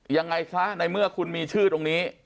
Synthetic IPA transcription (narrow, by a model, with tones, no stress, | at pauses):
ja˧ŋːa˧jkʰa˦˥na˧jmɯ˥˩ɐkʰu˧nmiː˧t͡ɕʰɯː˥˩t̪o˧ŋniː˦˥